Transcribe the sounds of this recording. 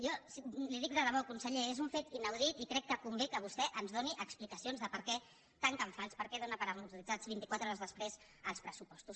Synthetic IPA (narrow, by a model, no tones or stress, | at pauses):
jɔsliðik̚ɾəðəβɔwkunsəʎeezuɱfet̪inəwðit̪ikɾɛkːəkumblikəβ̞ust̪ɛʔənzðoniʔəksplikəsionzðəpəɾkɛ | t̪aŋkəɱfalˠspəɾkɛðonəpəɾəmut̪uɾizazβint̪ikwat̪ɾɔɾəzðəspɾez | əlˠspɾəsupɔst̪us